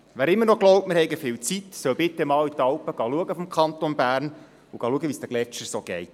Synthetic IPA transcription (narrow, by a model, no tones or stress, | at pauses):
ʋæːɾɪmːənɔɡlɔʊptmɪɾhɛɪɡəfɪːwt͡sit̪sœwbɪt̪ːɛmɑːwit̪ɑwpəɡ̥ɑluəɡəfɔmkʰɑnt̪onbæːɾn | uɡ̥ɑːluəɡəʋiːstæɡlɛt͡ʃəɾsoɡ̥ɛɪt